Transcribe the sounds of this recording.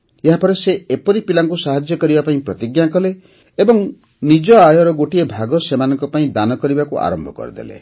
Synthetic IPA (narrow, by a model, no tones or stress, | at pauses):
eɦapɔɾeseepɔɾipilaŋk̬usaɦad͡ʒjɔkɔɾibapaĩpɾɔt̪iɡjakɔleː | bɔŋ | nid͡ʒɔajɔɾɔɡoʈiebʱaɡɔsemanɔŋkɔpaĩd̪anɔkɔɾibakuʔa̰ɾɔmbʱɔkɔ̰ɾḭd̪ḛlḛ